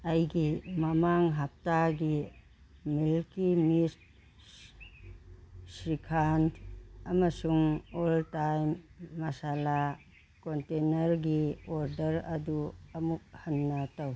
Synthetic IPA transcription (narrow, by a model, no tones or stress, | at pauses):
ɐjɡimɐmaŋɦap̚taɡi | milkimist̚ | sɾikʰanɐmɐsuŋoltajmːɐsala | kontenɐɾɡioɾdɐɾɐduɐmuk̚hɐnːɐtɐw